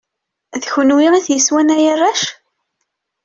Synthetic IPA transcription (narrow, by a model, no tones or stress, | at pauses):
ðçənwiʁæθjəswænæjərˤːæʃ